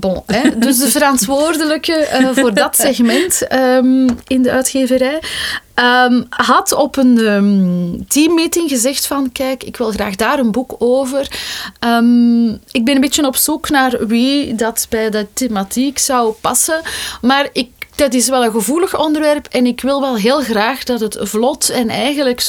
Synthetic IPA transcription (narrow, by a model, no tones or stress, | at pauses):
boɛdɵsdəvəɾɑntʋoːrdələkəəvoːrdɑtsɛxmɛntəmɪndəœːtxeːvəɾɛjəmɦɑtɔpənəːmtiːmːiːtɪŋɣəzɛxtfɑnkɛːkɪkʋɪlˠɣra̰ːɣdaːɾənbukoːvərəːmɪɡ̚bɛnənmbeːtjənɔpsuknaːrʋidɑtbɛjdətematiksɑwpɑsəmaːrɪkd̥ɑt̬ɪsʋɛlˠənɣəvuːləxɔndərʋɛrpɛnɪkʋɪlˠʋɛlˠɦeːlˠɣraːxdɑtɦətvlɔtɛnɛ̰jɣənlək